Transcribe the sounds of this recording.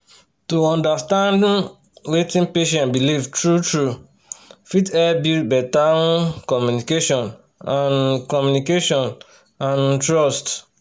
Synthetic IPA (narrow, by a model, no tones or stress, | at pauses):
tuɔ̃ndastãnd | wetĩnpeʃɛ̃ntbilivtɹutɹu | fitɛbibɛtãkɔmjunikeʃɔ̃n | ãnkɔmjunikeʃɔ̃n | ãntɹɔst